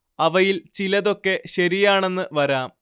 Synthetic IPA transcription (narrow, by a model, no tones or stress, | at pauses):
ɐʋɐjilt͡ɕilɐðo̞kːe̞ɕɐɾijaːɳe̞nːɨʋɐɾaːm